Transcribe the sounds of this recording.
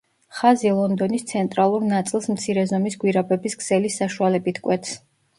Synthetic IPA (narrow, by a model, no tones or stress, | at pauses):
χazilˠɔnd̪ɔnist̪sʰɛnt̪ʼɾalˠuɾnat̪sʼilˠsmt̪sʰiɾɛzɔmisɡwiɾabɛbisɡz̥ɛlisaʃualɛbit̪ʰkʼwɛt̪ʰs